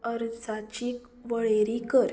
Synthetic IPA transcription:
əɾd͡zat͡ɕiːk | ʋəɭeɾikəɾ

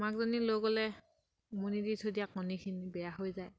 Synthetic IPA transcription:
makzɔniloɡɔlɛ | moniditʰodijakːɔnikʰinibɛjaɦojzaj

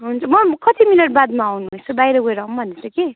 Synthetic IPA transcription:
ɦunt͡sʰʌmʌkʌt̪ʰiminʌʈ̚bad̪maːwnut͡sʌbajɾʌɡʌɾʌumbʱʌnet͡sʰʌki

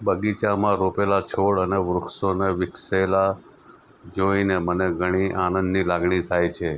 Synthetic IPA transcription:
bəɡit͡ʃamãɾopelat͡ʃʰoɭəneʋɾʊksoneʋɪksela | d͡ʒoineməneɡʱəɽ̃iʔanə̃nd̪nilaɡɳit̪ʰajt͡ʃʰe

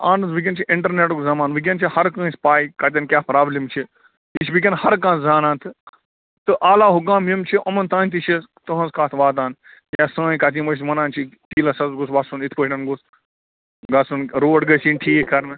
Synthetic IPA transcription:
aːnɨzʋik̬ʲɐnt͡ʃʰiʔɪɳʈɐɾneːʈukzɐmaːnʋik̬ʲent͡ʃʰihɐɾkɐ̃ːsʲpaːikɐt̪ʲɐnkʲjaːpɾaːblimt͡ʃʰi | it͡ʃbik̬ʲɐnhɐɾkãːzaːnãːnt̪ʰɨ | t̪ɨʔaːlaːɦuɡãːmimt͡ʃʰiʔɐmɐnt̪aːnt̪̬it͡ʃʰit̪ɐɦɐ̃nzkaːt̪ʰʋaːd̪aːn | jãːsãːĩkɐt̪̬iːmɐsmɐnãːnt͡ʃʰit̪iːlɐsɐzɡusʋasunit̪ʰpɐɦʲʈɐnɡus | ɡɐsunɾoːɖɡɐsĩːnʈʰiːkɐɾnɨ

